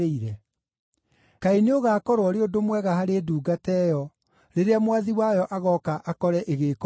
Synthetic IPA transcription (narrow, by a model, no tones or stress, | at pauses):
eiɾɛ | kaineoɣaːkɔɾwɔɾeodomwɛɣahaɾeːduːɡatɛːjɔ | ɾeɾeamwaðiwajɔʔaɣɔkaʔakɔɾɛʔeɣek